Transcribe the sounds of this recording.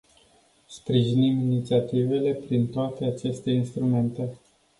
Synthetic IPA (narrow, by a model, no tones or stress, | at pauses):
spɾiʒiniminit̪siat̪ive̞le̞pɾint̪oat̪e̞at͡ʃe̞st̪e̞inst̪ɾume̞nt̪e̞